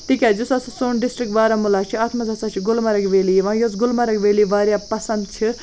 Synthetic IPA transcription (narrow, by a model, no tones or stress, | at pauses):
t̪ikʲad͡zusɐsɐsoːnɖisʈɾik̚ʈʋaːɾɐmulaːt͡ʃʰiaːt̪ʰmɐd͡zɐt͡sat͡ʃʰiɡulmɐɾɐkʋeːliʋãːjot͡sɡulmɐɾɐkʋeːliʋaːɾjapɐsɐnd̪̚t͡ʃʰi